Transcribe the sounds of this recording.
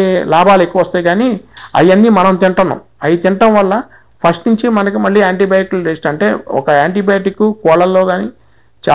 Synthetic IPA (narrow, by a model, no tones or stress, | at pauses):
elaːbaːlekːuʋɐʋɐst̪aːjɡaːniɐ̰jɐnːimɐnɐmt̪iɳʈɐnːɐ̰m | ɐjit̪iɳɐʈɐmʋɐlːɐ | pʰɐsʈnuɲt͡ʃimɐnɐkimɐɭːiːaːɳʈibaːjkld͡ʒeːʂʈɐɳʈe̞ːɔ̰kɐaːɳʈibaːʈikːukɔːɭɐlːo̞ːɡaːniː | t͡ʃa